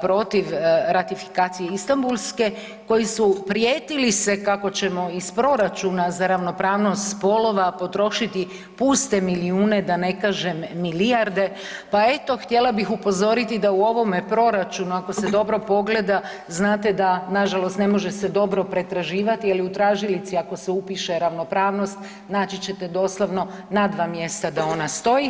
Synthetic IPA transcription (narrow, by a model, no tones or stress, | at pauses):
pɾo̞t̪iʋɾat̪ifi̥kaːt̪sijeist̪ambulˠske̞ | ko̞jisupɾjeːt̪ilise̞kako̞t͡ɕe̞mo̞ispɾo̞ɾat͡ʃunazaɾaʋno̞pɾaːʋno̞st̪spo̞lo̞ʋapo̞t̪ɾo̞ʃit̪i | puːst̪e̞miliuːned̪ane̞kaʒe̞mːiliaɾd̪e̞ | pae̞t̪o̞xt̪je̞lˠabixupo̞zo̞ɾit̪id̪auo̞ʋo̞mepɾo̞ɾat͡ʃunuako̞se̞d̪o̞bɾo̞po̞ɡle̞d̪a | znaːt̪e̞d̪anaʒalo̞st̪ne̞mo̞ʒe̞se̞d̪o̞bɾo̞pɾe̞t̪ɾaʒiːʋat̪ialiut̪ɾaːʒilit̪siako̞seupiʃe̞ɾaʋno̞pɾaːʋno̞st̪ | naːt͡ʃit͡ɕe̞t̪e̞d̪o̞ːslˠoʋno̞ | nad̪ʋaːmje̞st̪ad̪ao̞nast̪o̞ji